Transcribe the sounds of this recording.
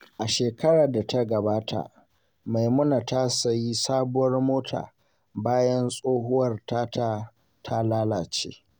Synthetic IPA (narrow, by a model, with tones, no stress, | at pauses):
ʔa˨ʃeː˨kɐ˦ɽaː˨da˨ta˦ɡɐ˨baː˦tʰa̰˨ | ma˨jmʊ˦na˨ta˦sɐ˨ji˦saː˦bʊ˦wɐ˦rmoː˦tʰa̰ː˨ | baː˦jɐ˦nsʼoː˦hʊ˦wɐ˨rtaː˦ta˦ | tʰa˦laː˦laː˨t͡ʃḛː˦